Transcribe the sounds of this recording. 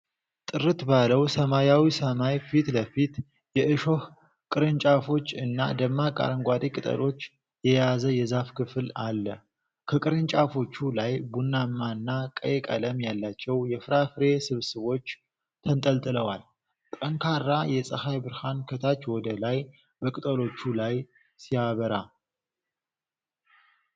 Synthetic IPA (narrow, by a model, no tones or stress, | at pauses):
t̪ʼɨɾɨt̪baləwsəmajawisəmajfit̪ləfit̪ | jɛʔɨʃo̞h | kʼɨɾɨnt͡ʃʼafo̞t͡ʃːɨnːad̪əmːakʼa̰ɾəŋɡʷad̪ikʼɨt̪ʼə̰ɾo̞t͡ʃː | jɛjazəjɛzafkʰɨfɨlalːə | kʰəkʼɨɾɨnt͡ʃʼafo̞t͡ʃːulajbunːamːaɨnːakʼə̰jɛkʼə̰ləmjalːat͡ʃːɛwjɛfɨɾafɨɾe̞sɨβsɨβo̞t͡ʃː | t̪ʰənt̪ʼəlt̪ʼɨləwal | t̪ʼəŋkʰarːajɛsʼəhajbɨɾhankʰət̪ʰat͡ʃːwɔd̪əlaj | bəkʼɨt̪ʼəlo̞t͡ʃːulaj | sijaβəɾa